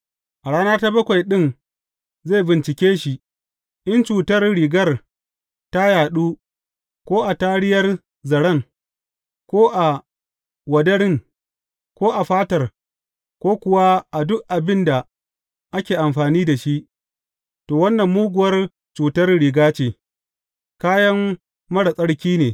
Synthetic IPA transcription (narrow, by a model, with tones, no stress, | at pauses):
ʔa˨ɽaː˦naː˦ta˦bɐ˦kʷa˨jɗɪ˦n | zeː˦˨jbɪ˨nt͡ʃɪ˨kʲeː˦ʃi˨ʔ | ʔɐ˦nt͡ʃuː˨tɐ˦rɽiː˨ɡɐ˦r | ta˦jaː˨ɗuː˦ | kʷoː˦ʔa˨taː˦ɽɪ˦jɐ˦r | zɐ˨ɽɐ˦˨ŋ | kʷoː˦ʔa˨ | wɐ˨dɐ˦ɽɪ˦ŋ | kʷoː˦ʔa˨ɸaː˦tɐ˨r | kʷoː˦kʷʊ˨wa˦ʔa˨dʊ˦ʔʔa˨bɪ˦nda˨ | ʔa˦kʲeː˨ʔa˨mɸaː˨niː˦da˨ʃi˦ʔ | toː˨wɐ˦nːɐ˨mːuː˦ɡʷʊ˨wɐ˦r | t͡ʃuː˨tɐ˦rɽiː˨ɡaː˦t͡ʃeː˨ | kaː˦jɐ˦mː | ɐ˦ɽa˨sʼɐ˦ɽkʲiː˦neː˨